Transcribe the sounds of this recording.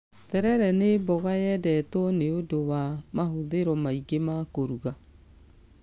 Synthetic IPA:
tɛɾɛɾɛnebɔɣajɛdɛtɔneodowamahoðeɾɔmaiɡemakoɾuɣa

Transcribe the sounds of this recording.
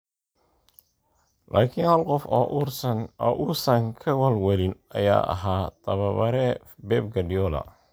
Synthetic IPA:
lʔaːkʰɪnhɐlqɔfɔːʔrɔːʔʊsɐŋkʰɐwɐlwɐlɪnɐ̰ja̰ːʔɐ̰ɦaːt̪ʰɐβɐβɐɾɛ | bɛːb̚ɡɐɖɪɔlɐ̰

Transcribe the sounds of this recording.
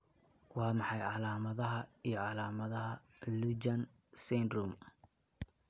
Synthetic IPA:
wɑːmɑħɑjʕɑlaːmɐðɐɦɐijɞʕɑlaːmɐðɐɦɐlud͡ʒɐn | sɛnruːm

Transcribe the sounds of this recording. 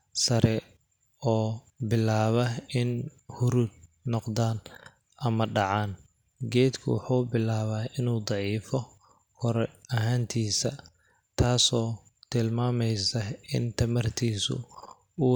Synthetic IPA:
sɐɾɛ | ɔː | bɪlaːβɐɪnhʊɾud̪̚nɔqd̪aːn | ʔɐmɐɖɑʕaːn | ɡɛːd̪kʰʊ̰wʊ̰ħuːbɪlaːβɐːɪnuːd̪ˤɑʕiːfɔ | kʰɔɾɛɐɦaːnt̪ʰiːsɐ | t̪ʰaːsɔː | t̪ʰɪlmaːmɛjsɐɪ̰nt̪ʰɐmɐrt̪ʰiːsʊ̰ | uː

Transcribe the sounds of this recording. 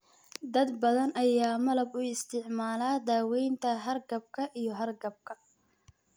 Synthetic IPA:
d̪ɐd̪bɐðɐnɐjaːmɐlɐbʊɪst̪ʰɪʕmaːlaːd̪aːwɛjnt̪ʰɐɦɐrɡɐb̚kʰɐʔijɞɦɐrɡɐb̚kʰɐ

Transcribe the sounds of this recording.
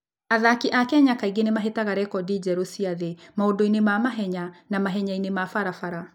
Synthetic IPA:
aðakiʔakɛɲakaiɡenemaɦetaɣaɾɛkɔdid͡ʒɛɾosiaðemaodoinemamaɦɛɲanamaɦɛɲainemafaɾafaɾa

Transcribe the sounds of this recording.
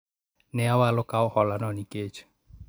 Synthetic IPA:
nɛawalʊkaʊhɔlanɔniket͡ʃu̥

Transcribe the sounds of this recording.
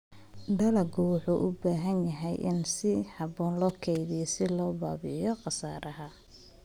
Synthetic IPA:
ɖɐlɐɡʊwʊħuːʔʊbaːɦɐnjɐɦɛjʔɪ̰nsɪhɑbɔːnlɔːkʰɛjðɪjɔsɪlɔːba̰ːbɪ̰jɔqɑsaːɾɐɦɐ

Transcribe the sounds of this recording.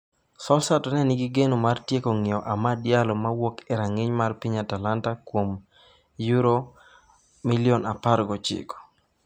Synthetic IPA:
sɔsatɔnɛnɪɡɪɡenomartjekoŋɪɔʔamadɪjalɔmawokɛɾaŋeɲmarpiɲatalantakwom | juɾo | milɪɔnapaɾɡɔt͡ʃɪ̰kɔ̥

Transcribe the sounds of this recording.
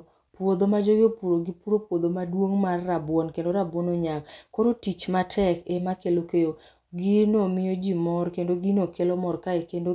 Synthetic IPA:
pwod̪omad͡ʒoɡjopuɾoɡipuɾopwod̪omadwoŋmarːabwɔnkendoɾabwɔnoɲaŋkoɾotit͡ʃmatʰɛkemakelokejo | ɡinomɪjod͡ʒimɔɾkendoɡinokelɔmɔrkaekendo

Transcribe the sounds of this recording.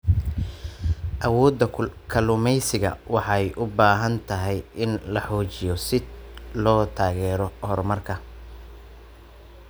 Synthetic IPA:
ʔɐwɔːd̪ɐkʰɐlʊmɛjsɪɣɐ̰wɑħɑjʔʊbaːɦɐnt̪ʰɐɦɛjʔɪnlɐħɔːt͡ʃɪjɔsɪlɔːt̪ʰaːɣɛːɾɔhɔrmɐrkʰɐ

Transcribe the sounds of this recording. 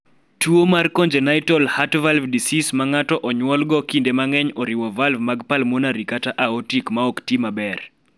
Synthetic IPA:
tuomarkɔɲd͡ʒenajtɔlhatvalvdisismaŋatɔʔɔɲwɔlɡɔkindemaŋɛɲɔɾiwɔvalvmaɡpalmɔnaɾikataʔaɔtikmaɔktimabɛr

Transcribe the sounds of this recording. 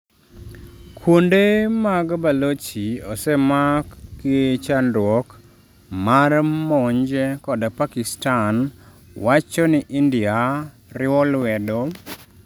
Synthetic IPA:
kʰwondemaɡbalot͡ʃiɔsɛmakit͡ʃandwɔk | marmɔɲd͡ʒɛkɔdapakɪstan | wat͡ʃɔnɪʔindɪa | ɾɪɔlwɛdo

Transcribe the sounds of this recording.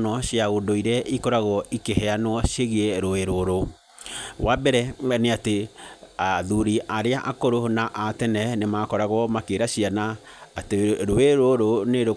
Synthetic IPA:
nɔɕjaondoiɾɛʔikɔɾaɣɔʔikehɛanwɔʃeɣieɾoeɾoɾo | wabɛɾɛneateaðuɾiʔaɾeaʔakoɾonaʔatɛnɛnemaːkɔɾaɣwɔmakeɾaɕiana | ateɾoeɾoɾoneɾo

